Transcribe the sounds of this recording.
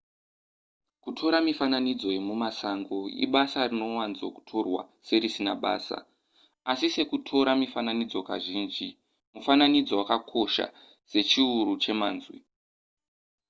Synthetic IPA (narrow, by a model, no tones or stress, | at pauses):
kutʰo̞ɾamifananid͡zo̞je̞mumasaŋɡo̞ḭɓasarino̞wanzoku̥tʰo̞rwa̰ | se̞ɾisinaɓa̰ːsa̰ | asise̞kutʰo̞ɾamifananid͡zo̞ka̰ʒiːnd͡ʒi | mufananid͡zo̞wakakʰo̞ʃa̰ | se̞t͡ʃiuɾut͡ʃe̞maːnzwḭ